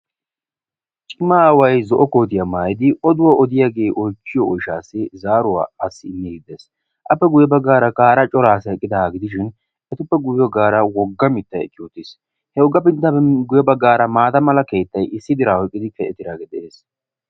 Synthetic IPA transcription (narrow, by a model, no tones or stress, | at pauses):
t͡ʃʼɪmːaːwɐjzɔʔɔkoːt̪ɪjɐmaːjɪd̪ɪɔd̪ʊwɐʔɔd̪ɪjaːɡe̞ːʔɔjt͡ʃːɪjɔɔjʃaːsːɪzaːɾʊwa̰ːɐsːɪɪnːɛhɪd̪es | ʔɐpːɛɡʊjɛbɐɡaːɾɐkʼaːɾɐt͡ʃʼɔɾaːsɐɛkʼːɪd̪ɐaɡɪd̪ɪʃ̬ɪn | ɛt̪ʊpːɛɡʊjɐɡaːɾɐwɔɡːɐmɪt̪ːɐjɛ̰kʼːɪjuːt̪ːɪs | hɛʊɡːɐpɪnt̪ːɐɡʊjɛbɐɡaːɾɐmaːt̪ɐmɐlɐke̞ːt̪ːɐjɪsːɪd̪ɪɾaːhɔjkʼːɪd̪ɪkɛɛt̪ɪɾaːɡɛd̪ɛʔe̞ːs